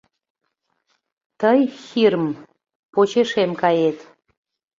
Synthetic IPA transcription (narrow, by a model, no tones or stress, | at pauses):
t̪əjxirm | pot͡ɕeʃemkɑjet̪